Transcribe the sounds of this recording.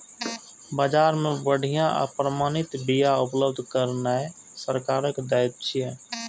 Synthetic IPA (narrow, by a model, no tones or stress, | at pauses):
bad͡ʒaːɾmebəɽ̤ʱijãʔa̰pɾəmaːnit̪bijaupləbd̪ʱkəɾnae | səɾkaːɾəkd̪ajt̪̚t͡ʃʰijẽ